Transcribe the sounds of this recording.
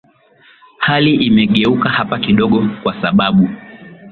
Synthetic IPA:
haliʔimɛɠɛukahapakiɗɔɠɔkwasaɓaɓu

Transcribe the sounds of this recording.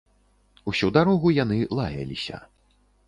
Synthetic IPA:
usʲud̪aɾɔɣujanɨlˠajɐ̰lʲisʲɐ̰

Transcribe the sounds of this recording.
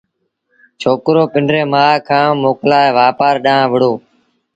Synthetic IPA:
t͡ʃʰoːkɾoːpɪɳɖɾeːmaːkʰãːmoːklaːɦeːʋaːpaːɾɗãːãːʋəɽoː

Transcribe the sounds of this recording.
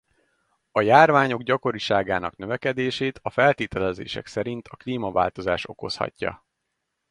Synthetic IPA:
ɒjaːrvaːɲo̞ɡɟɒko̞ɾiʃaːɡaːnɒ̰knøvɛkɛd̪eːʃeːt̪ɒfɛlt̪eːt̪ɛlɛzḛːʃɛ̰ksɛɾint̪ʰɒkliːmɒva̰ːlt̪o̞zaːʃo̞ko̞shɒ̰cːɒ̰

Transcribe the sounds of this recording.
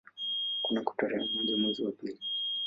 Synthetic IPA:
kunaku̥tɔɾɛamudimwɛziwapili

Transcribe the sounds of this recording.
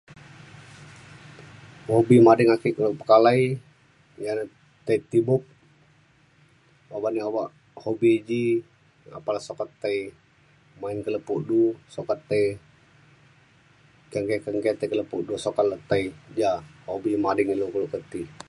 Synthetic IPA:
hobimadɪŋakikuluʔpə̥kalai | jan | t̪əit̪ibʊp̚ | abaʔniawaʔ | hobid͡ʒi | a̰palasokat̪ːəi | mainkələpuʔdusokat̪ːəi | kəŋɡekəŋɡɛt̪əkələpuʔdusokat̪lət̪əid͡ʒahobimadɪŋilukəlʊʔkət̪i

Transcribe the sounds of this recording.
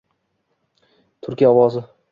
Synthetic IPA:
t̪ʰʊɾkʲijaɒwɒzɪ

